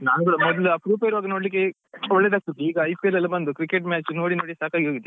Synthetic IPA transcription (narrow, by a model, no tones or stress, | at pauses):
naːnɡuɽɐmɔd̪ɐluɐpɾuːpɐjiɾuʋaːɡɐnoɽlik̬ːe | ɔɭːeːd̪aːk̚t̪ut̪ːeiːɡɐɐjpkelɐlːɐbɐnd̪ukɾikeʈ̬mʲaːt͡ʃnoːɽinoːɽisaːkaːɡiɦoːɡid̪ːe